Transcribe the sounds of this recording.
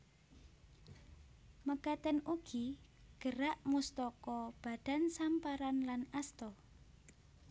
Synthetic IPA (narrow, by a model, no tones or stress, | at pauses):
məɡ̥at̪ɛnuɡ̥iɡ̥əɾaʔmust̪ɔkɔb̥a̤d̥a̤nsampaɾanlanast̪ɔ